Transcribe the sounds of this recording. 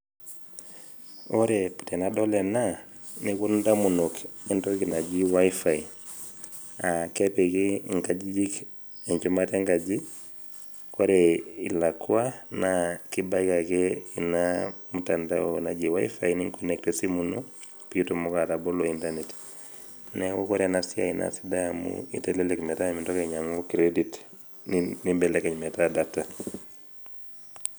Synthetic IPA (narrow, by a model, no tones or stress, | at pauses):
oɾepu̥tɛnadɔlɛna | nikundamunokɛntɔkinad͡ʒiwaifai | akɛpekiŋkad͡ʒid͡ʒik | eɲt͡ʃumatɛŋkad͡ʒi | kɔɾɛḭlakuanakibaikakɛinamutandaona̰d͡ʒiwaḭfainiŋkɔnɛktɛsimuno | pitomukatabolointanet | nɛkokɔɾɛnasia̰ina̰sidaamṵḭtɛlɛlɛkmɛtamintɔkeɲamokiɾedit | nimbɛlɛkɛɲmɛtadata